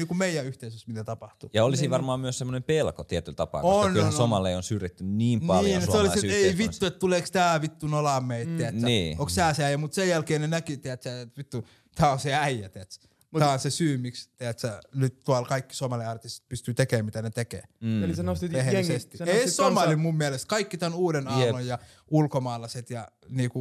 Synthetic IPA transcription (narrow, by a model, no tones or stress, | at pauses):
niːkummeijˑæyht̪eisøsmit̪æt̪ɑpɑht̪ujɑolisiʋɑrmɑːmyøssemːonempelkot̪iɛt̪ylt̪ɑpɑ̰konylsomɑleionsyret̪ːynniːmnpɑliːjsolisiseiʋit̪ːuet̪t̪uleːˑkst̪æːʋit̪ːunolɑmːˑeit̪t̪ːeæsniːokst̪æːseæijæmut̪sejjælkeːnenækit̪eæt̪sæet̪ʋit̪ːu | t̪ʰæːonseæijæt̪eæt̪s | t̪æːonsesyːmikst̪eæt̪sænyt̪t̪uɑlkɑikːi̥somɑliɑrt̪ist̪pyst̪yt̪ekeːmmit̪ænet̪ekḛːlsnoʋehesest̪ieisomɑlimummiælest̪kɑikːit̪ænuːdenɑunojjɑ | ulkomɑːlːɑset̪jɑniːku